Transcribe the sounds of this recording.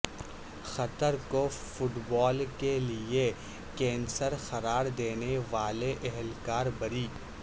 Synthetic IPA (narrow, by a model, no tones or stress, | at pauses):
xɐt̪əɾkofʊʈbɔːlkelie | kɛ̃ːnsəɾxɐɾaːɾd̪eːneʋaːleʔɛɦɛlkaːɾbɐɾiː